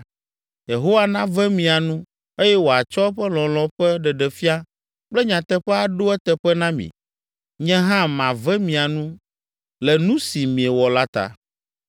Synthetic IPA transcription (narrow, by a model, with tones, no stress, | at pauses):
je˨ɦo˦wa˦nã˦vɛ˦mĩ˨a˨nũ˦ | e˦jɛ˦wo˨a˨t͡ʃɔ˦ɸɛ˦lɔ̃˨lɔ̃˨ɸɛ˦ɖɛ˨ɖɛ˨fi˦a˦ | k͡plɛ˦ɲã˨t̪ɛ˦ɸɛ˦a˨ɖo˦ɛ˦t̪ɛ˨ɸɛ˦nã˦mḭ̃˨ | ɲɛ̃˦ɦã˦mã˨vɛ̃˦mĩ˨a˨nũ˦ | lɛ˨nũ˦si˨mĩ˨ɛ˨wɔ˨la˦t̪a̰˦